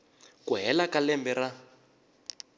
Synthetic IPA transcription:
kuɦɛlakalɛmbɛra

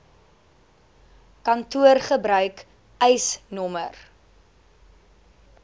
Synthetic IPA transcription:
kɐntuərχəbɾœɥk | ɛjsnɔmə̰r

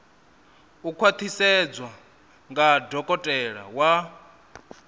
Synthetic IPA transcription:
ukʰwat̪ʰisɛd͡zwa | ŋɡadɔkʼɔtʼɛɺa̰wa

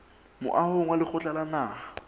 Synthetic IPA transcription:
mʊ̰ʔahʊŋwalɪk͡xʰʊt͡ɬʼalanaːha

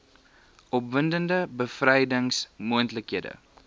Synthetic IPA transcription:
ɔpvəndəndəbəfrɛjdəŋsmuəntləkɦiədə̰

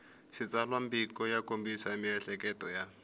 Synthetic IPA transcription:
sɪt͡salwam̩bikɔjakombisamɪɛɬɛkɛtɔja

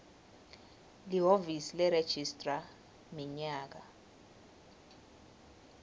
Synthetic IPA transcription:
liɦovisilɛɾed̥ʒ̥ʱistʼra | miɲaːk̬a

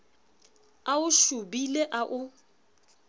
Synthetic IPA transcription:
aʊʃubileʔaʔʊ

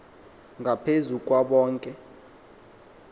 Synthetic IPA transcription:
ŋʱapʰezuk̬ʼwaɓɔːŋkʼɛ

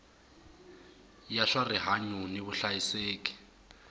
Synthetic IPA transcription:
jaɬwariɦaɲuniβʊɬajiseːki̥

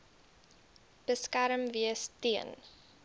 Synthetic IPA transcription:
b̥əskæɾəmviəstiən

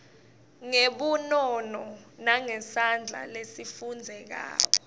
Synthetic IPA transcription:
ŋeɓunɔnɔnaŋɛsand͡ɮʱa̰lesifund͡zʱɛk̬a̰ːk̬ɔ

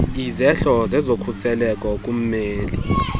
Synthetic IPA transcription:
izɛɬɔzɛzokʰusɛlɛkʼɔk̬ʼum̩meːli

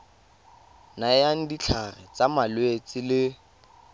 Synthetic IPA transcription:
najaŋ̩dit͡ɬʰarɛt͡samalwet͡sʼɪlɪ

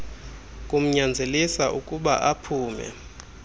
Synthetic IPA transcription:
kʼum̩ɲand͡zʱelisaʔukʼuɓa̰ʔapʰuːmɛ̰

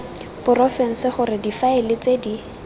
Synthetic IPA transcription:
b̥ʊrɔfɛŋ̩sɪχʊɾɪdifaelɪt͡sedi

